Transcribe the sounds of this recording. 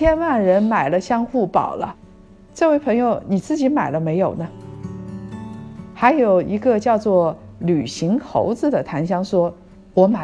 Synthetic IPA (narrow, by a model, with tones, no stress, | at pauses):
jɛ˥nwa˥˩nɻə˧˥nma˨˩ɪlə˦ɕjɑ˥ŋxu˥˩pɑ̰˨˩ʊlə̰˦ | t͡sɤ˥˧we˥˩ɪpʰɤ˧˥ŋjo˧ʊni˨˩t͡sɹ̩˥˩t͡ɕi˧˥ma˨˩ɪlə˦me˧˥ɪjo˨˩ʊnə˦ | xa˧˥ɪjo˨˩ʊi˧˥ɡə˧t͡ɕjɑ˥˧ʊt͡swɔ˥˩ly˨˩ɕi˧˥ŋt̪ʰo̰˧˥ʊt͡sɹ̩˥˧d̪ə˩t̪ʰa˧˥nɕjɑ˥ŋʂwɔ˥ | wɔ˧˥ma˨˩